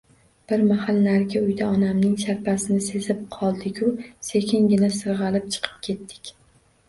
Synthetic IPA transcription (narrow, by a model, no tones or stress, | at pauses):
b̥ɪɾmahalˠnaɾɡʲaʊjd̪aɒnamnɪŋʃaɾpʰasɪnɪse̞zɪp̚qʰɒlˠd̪ɪkʲʊse̞kʲʰɪŋɡʲɪnasɨɾʁɑlɪp̚t͡ʃʰɨ̥qʰɨ̥p̚kʲʰe̞t̪ːɪ̥kʲ